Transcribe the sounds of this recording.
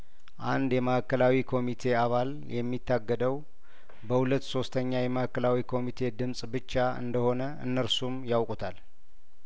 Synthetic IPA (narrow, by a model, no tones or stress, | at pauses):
ʔand̪jɛməhakːəlawikʰo̞mit̪ʰe̞aβal | jɛmːit̪ʰːaɡːəd̪əw | bəhulət̪ːso̞st̪ʰəɲːajɛməhakːəlawikʰo̞mit̪ʰe̞d̪ɨmsʼbɨt͡ʃːaɨ̰nd̪əho̞nəɨ̰nːəɾsumjawkʼut̪ʰal